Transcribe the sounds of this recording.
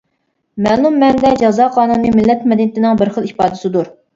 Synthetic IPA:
mɛlˠumːɛnd̪ɛd͡ʒɑzɑːqʰɑːnunːɨmɪlːɛt̪mɛd̪ɪnɪt̪ʰɪnɪŋbɪɾχəlˠipɑːd̪ɨsɪd̪uɾ

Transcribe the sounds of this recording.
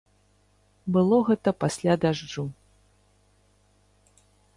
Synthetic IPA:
bɨlˠɔɣɛt̪ɐpasʲlʲad̪aʐd͡ʐu

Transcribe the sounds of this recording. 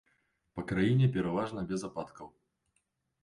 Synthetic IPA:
pɐkɾajinʲɛpʲɛɾavaʐnɐbʲɛzapat̪kʰɐw

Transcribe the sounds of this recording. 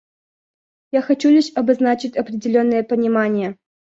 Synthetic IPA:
jaxɐt͡ɕulʲɪɕʲɐbɐznat͡ɕɪtʲɐpɾʲɪdʲɪlʲo̞nːɨjəpənʲɪmanʲɪjə

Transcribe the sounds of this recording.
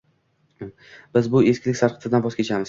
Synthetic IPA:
b̥ɪzbʊeskʲlɪkʲsaɾqʰɨt̪ʰɪd̪anbɒskʲʰet͡ʃʰamɪz̥

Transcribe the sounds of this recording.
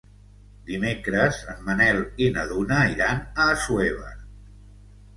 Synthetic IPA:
d̪imekɾəzəmːənɛlinəðunəiɾanəːsueβ̞ə̰

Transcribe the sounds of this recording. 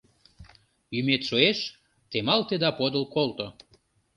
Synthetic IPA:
jymet̪ʃoeʃ | t̪emɑlt̪ed̪ɑpod̪əlkolt̪o

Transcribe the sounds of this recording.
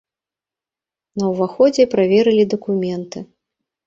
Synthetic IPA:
nɐwvaxɔd͡zʲɛpɾavʲɛɾɨlʲid̪ɐkumʲɛnt̪ɨ

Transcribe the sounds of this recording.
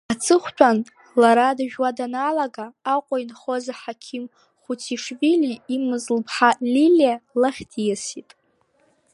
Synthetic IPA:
at͡sʰɨχʷtʷʰʼan | laɾadaʒᶣwadanalaɡaːqʷʼajnχozaħakʲʰim | χʷutʰiʂviliimɨzlpʰħaliljalaχʲdʰijasitʼ

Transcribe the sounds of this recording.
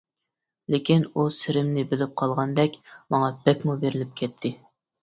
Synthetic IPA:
lekʲinusɪɾɪmnɪbɪlɪp̚qʰɑlˠʁɑnd̪ɛkʲmɑŋɑbɛkʲmubeɾɪlɪp̚kʲʰɛt̪ʰːɪ

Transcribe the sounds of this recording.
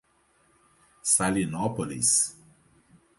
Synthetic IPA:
salinɔpɔlḭs

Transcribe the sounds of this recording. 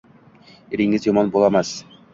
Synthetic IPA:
iɾiŋɘzjɒmɑnbulˠɑmɑs

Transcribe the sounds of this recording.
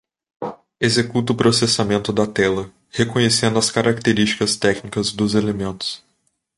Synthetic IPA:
ezekut̪ɐʊpɾosesamẽnt̪ʊd̪ɐt̪ɛlɐ | hekõɲesẽnd̪ʊɐskaɾʔak̚t̪eɾist͡ʃi̥kɐst̪ɛknikɐzd̪ʊzelemẽnt̪ʊ̥s

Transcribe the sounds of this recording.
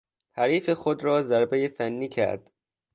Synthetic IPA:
hæɾiːfe̞xod̪ɾɒːzæɾbejefænːiːcʰæ̰ɾd̪̥

